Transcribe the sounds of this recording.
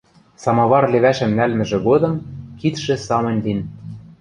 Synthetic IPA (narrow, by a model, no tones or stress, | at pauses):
sɑmɑβɑrlĕβæʃɘ̆mnælmɘ̆ʒɘ̆ɣod̪ɤ̆mkit̪ʃĕsɑmɤ̆nʲlin